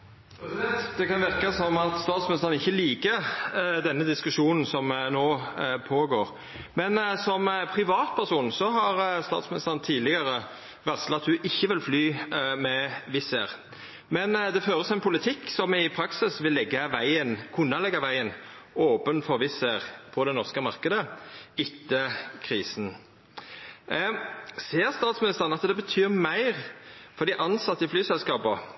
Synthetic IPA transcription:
d̪̥ɛkɑnʋɪɾkɑsɔmɑt̪st̪ɑːt̪smɪnɪst̪əʁənɪçːəliːkəd̪ɛnːəd̪ɪskʉʂuːnn̩sɔmnoːpʰoːɡoːʁ | mɛnsɔmpʰɾɪʋɑːt̪pʰæʁsuːnsɔɦɑʁst̪ɑ̰ːt̪smɪnɪst̪əʁənt̪ʰiːdlɪɡəɾə | ʋɛslɑt̪hʉʔɪçːəʋɪlflyːmɛʋɪseːɾ | mɛnd̪ɛføːʁəst̪ɔmɛnpʰʊlɪt̪ʰɪkːsɔmɪpʰɾɑksɪsʋɪlːɛɡːɑʋæɪənkʰʉnːəlɛɡɑʋæɪənoːpənfɔɾʋɪseʁpʰɔd̪ɛnɔʁskəmɑɾkəd̪əɪt̪ːəkʰʁiːsn̩ | seːʁst̪ɑːt̪smɪnɪst̪əʁənɑt̪d̪ɛbət̪ʰyːʁmæɪʁfɔʁd̪ɪʔɑnsɑt̪ːəflyːsɛlskɑːpə

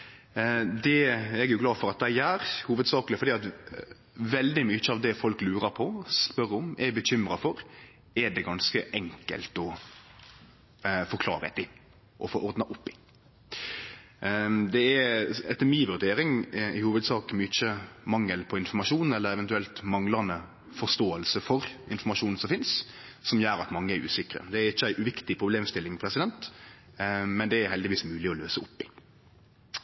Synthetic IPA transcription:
d̪ɛɛɡjʊɡlɑːfɔɾɑt̪̚d̪æɪæːɾhuːʋəd̪sɑːklɪfɔɾɖiːɑt̪ | ʋɛld̪ɪmʏt͡ʃːəɑʋd̪ɛfɔlklʉːɾəpʰɔspœɾʊmɛbəɕʏmɾɑfɔɾ | ɛɖɛɡɑnskəʔɛŋkə̰lt̪ɔ | fɔɾkʰlɑ̰ːɾəə̰t̪ɪ | ʔɔfoːʔɔɾd̪nɑʔʊpːɪ | d̪ɛɛɛt̪ːəmiːʋʉɾd̪eːɾɪŋɪhuːʋəd̪sɑːkmyɪt͡ʃːəmɑŋːəlpʰɔɪnfɔmɑʂuːn̩ɛlːəɾɛʋɛnt̪ʉɛlt̪mɑŋlɑnə | fɔʁst̪oːəlsəfɔɾɪnfɔmɑʂuːn̩sɔmfɪnssɔmjæːɾɑt̪mɑŋːəæɾʉ̰ːsɪkɾə̰d̪ɛæɾɪçːəæɪʔʉʋɪkt̪ɪpʰɾʊbleːmst̪ɪlːɪŋpʰɾɛsɪd̪ɛnt̪ | mɛnd̪ɛæɾhɛld̪ɪʋiːsmʉːlɪɔløːsəʊpːɪ

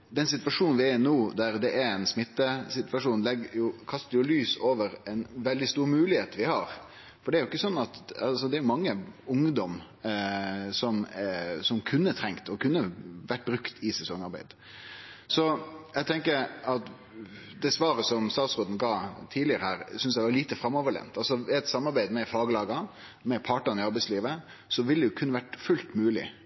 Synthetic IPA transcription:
d̪ɛnsɪt̪ʋɑʂuːnnʋɪænuːd̪æɾd̪ɛʔæɛnsmɪt̪ːəsɪt̪ʋɑʂuːnlɛɡjʊkʰɑst̪əɾjʊlyːsoːʋəɾɛnʋɛld̪ɪst̪uːɾmʉːlɪheːt̪ʋɪhɑɾ | fɔɖɛæɾjʊɪkːəsɔnːɑt̪ɑlsɔd̪ɛæɾjʊmɑŋːəʊŋd̪ɔm | sɔmsɔmkʰʉnːət̪ʰɾɛŋkt̪ɔkʰʉnːəʋæʈ̚ːbɾʉkt̪ʰɪsɛsɔŋːɑɾbæ̰ɪd̪ | sɔjæɡt̪ʰɛŋkəɾɑt̪ | d̪ɛsʋɑːɾəsɔmst̪ɑːt̪sɾoːd̪n̩ɡɑːt̪ʰiːdlɪəɾəhæːɾsʏnsæʋɑɾɭiːt̪əfɾɑmːɔʋəɭɛ̰nt̪ɑlsɔɪæt̪sɑmːɑɾbæɪd̪mɛfɑːɡəlɑːɡɑ | mɛpʰɑʈːənɪɑɾbæɪsliːʋə | sɔʋɪld̪ɛjʊkʰʉnːəʋæʈfʉlt̪mʉːlɪ̰

